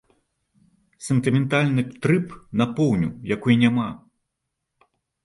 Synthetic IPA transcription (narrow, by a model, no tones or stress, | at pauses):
sɛnt̪ɨmʲɛnt̪alʲnɨt̪ɾɨpnapɔwnʲṵjakujinʲama